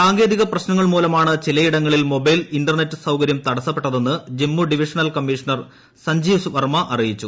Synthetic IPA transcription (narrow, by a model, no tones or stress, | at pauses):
saːŋɡe̞ːd̪iɣɐprɐɕnɐŋːɐɭmuːlɐmaːɳɨt͡ɕilɐjiɽɐŋːɐɭilmo̞bɐjlinɖɐrnetːɨsɐwkɐɾjɐmt̪ɐɽɐsːɐpːe̞ʈːɐðe̞nːɨd͡ʑemːuɖiʋiʂɐnɐlkɐmːiʂɐnɐr | sɐɲd͡ʑiːʋsʋɐrmɐʔɐrijit͡ɕːu